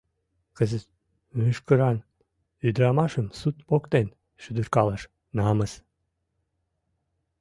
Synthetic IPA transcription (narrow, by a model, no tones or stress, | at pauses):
kəzɨt̪ | myʃkɨɾɑn | yd̪ɾɑmɑʃəmsut̪pokt̪en | ʃyd̪ɨɾkɑlˠəʃ | nɑməs